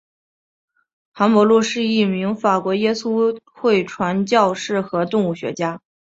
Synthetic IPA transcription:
xa˧˥nmwɔ˧˥lwɔ˥˧ʂɻ̩˥˧i˥˩mi˧˥ŋfa˨˩kwɔ˧˥jɛ˥su˥ | xwe˥˩ɪʈ͡ʂʰwa˧˥nt͡ɕjɑ˥˧ʊʂɻ̩˥˩xɤ˧˥t̪ʊ˥˧ŋu˥˩ɕɥɛ̰˧˥t͡ɕja˥

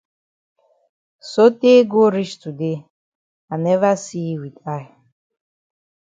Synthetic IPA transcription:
so˦tʼe˦ɡo˦ɾi˦ʃt̪ʰʼu˨d̪e˦ | a˨nɛ˦va˦si˦wi˨tʼa˦ɪ˨

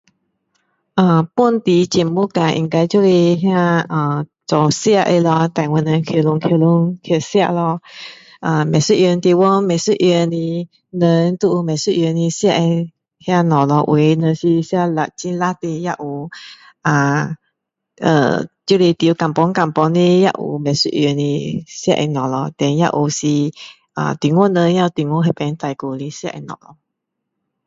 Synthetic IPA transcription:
ʔə˧˩pu˥˨nt̪i˧t͡ɕɛ˨˩mmu˦ka˧˨ʔḭ̃˧ŋka˧˦t͡ɕjo˥˧˨le˧ɦjã˥˧ʔə˧˩t͡sɔ˨˩sja˥˧ʔe˧lɔ˧t̪ã˨˩ŋwə˧˨nə˧kʰə˧˩lʊ˧ŋkʰə˧˩lʊ˧˦ŋkʰə˨˩sja̰˧ʔlɔ˧ | ʔə˧˩mɛ̃˨˩si˦ʔjɛ˧nt̪i˧wɔ˧˦mɛ˨su˥˧ʔjɛ˧ni˧ | nə˧˦nt̪u˧ʔu˧mɛ̃˨˩su˥˨ʔjɛ˧ni˧sja˥˧ʔe˧ | hja˧nɔ˨lɔ˧ʔw̰e˨˧˦nə˧si˧sja˧la˧˨t͡ɕi˧˦nla˦t̪e˧ja˧ʔu˧˨ | ʔa˨˩ | ʔə̰˧˩tju˧˦˧le˧t̪i˨˧˦ka˨mpɔ˧˦ŋka˨mpɔ˧˦ŋne˧˦ja̰˧ʔṵ˨˧˨mɛ̃˨su˦ʔjə˧ni˧sja˧ʔɛ̰˧nɔ̃˨lɔ˧t̪ɛ˨nja̰˦˧ʔu˧si˧ | ʔa̰˧˨t̪i˨ŋwɔ˦˨nə˧nja˦˧t̪i˨ŋwo˧˦ɦe˧˨pɛ˧˦nt̪a˧˨jku˧˨li˧˦sja̰˧ʔɛ̰˧nɔ̰˨lɔ˧

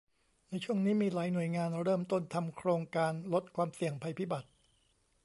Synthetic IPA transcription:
na˧jt͡ɕʰu˥˩əŋniː˦˥miː˧laː˩˦jnu˨˩əjŋaː˧nɾɤː˥˩mt̪o˥˩nt̪ʰa˧mkʰɾoː˧ŋkaː˧nlo˦˥t̪̚kʰwaː˧msi˨˩əŋpʰa˧jpʰiː˦˥˩ba˨˩t̪̚

